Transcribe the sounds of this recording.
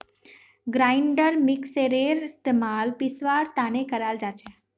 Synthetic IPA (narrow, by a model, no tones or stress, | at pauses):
ɡɾaɪɳɖəɾmɪkseɾeɾɪst̪emalpisʋaɾt̪ãnekəɾald͡ʒat͡ʃʰe